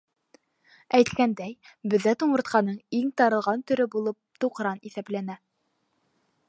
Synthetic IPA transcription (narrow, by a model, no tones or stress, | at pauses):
æjt̪kænd̪æjbɵ̆ðːæt̪uɴɤ̆ɾt̪̚qɑnɤɴiŋt̪ɑɾɤ̆lˠʁɑnt̪ɵ̆ɾɘbulˠɤp̚t̪uqɾɑniθæplænæ